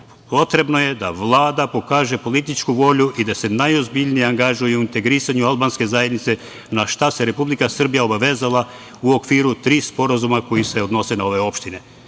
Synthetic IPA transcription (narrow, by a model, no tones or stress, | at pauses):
po̞t̪ɾe̞bno̞je̞d̪a̰ʋlˠaːd̪apo̞kaːʒe̞po̞lit̪it͡ʃkuʋo̞ʎuʔid̪ase̞najo̞zbiʎnijeaŋɡaʒujeuint̪e̞ɡɾisaɲualˠbanske̞zajed̪nit̪se̞ | naʃt̪ase̞ɾe̞publikasr̩bijao̞baʋe̞zalˠa | uo̞kʋiːɾut̪ɾiːspo̞ɾazumako̞jise̞o̞d̪no̞se̞nao̞ʋe̞o̞pʃt̪ine